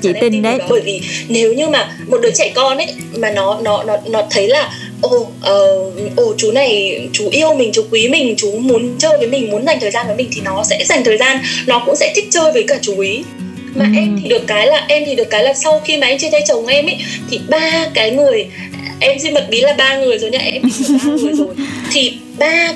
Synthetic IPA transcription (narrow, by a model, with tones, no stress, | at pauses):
i˨˧˨ɓəː˧˩jvi˨˩ne˨˦wɲɨ˧maː˨˩ | mo˨˩t̚ɗɨː˨˦jt͡ɕa˧˨jkɔ˧nʔə˧˦j | maː˨˩nɔ˨˦nɔ˨˦nɔ˨˦nɔ˨˦t̪ʰə˨˦jlaː˨˩ | ʔo˧˩ | ʔəː˨˩ʔo˧˩t͡ɕu˨˦na˨˩jt͡ɕu˨˦ʔi˧əwmï˨˩ŋ̟t͡ɕu˨˦kwi˨˦mï˨˩ŋ̟t͡ɕu˨˦mu˨˦ənt͡ɕəː˧jvəː˨˦mï˨˩ŋ̟mu˨˦ənza˨˩jŋt̪ʰəː˨˩jzaː˧nvəː˨˦jmï˨˩ŋ̟t̪ʰi˨˩nɔ˨˦sɛ̰˧˥za˨˩ŋt̪ʰəː˨˩jzaː˧nnɔ˨˦kʊ̰˧˥ŋ͡msɛ̰˧˥t̪ʰï˦˥k̚t͡ɕəː˧jvəː˨˦jkaː˧˩t͡ɕu˨˦ʔi˨˦ | maː˨˩ʔɛ˧mt̪ʰi˨˩ɗɨ˨˩əkːaː˨˦jlaː˨˩ʔɛ˧mt̪i˨˩ɗɨ˨˩əkːaː˨˦jlaː˨˩sa˧wxi˧maː˨˩ʔɛ˧mt͡ɕe˧nt̪a˧jt͡ɕə˨˩wŋ͡mʔɛ˧mʔə̰˧˥˦jt̪ʰi˨˩ɓaː˧kaː˨˦jŋɨ˨˩əj | ʔɛ˧mzi˧mə˨˩t̚ɓi˨˦laː˨˩ɓaː˧ŋɨ˨˩əjzo˨˩jɲaː˧ʔɛ˧mi˧˩˦ŋɨ˨˩ə˩jzo˨˩jt̪ʰi˨˩ | ɓaː˧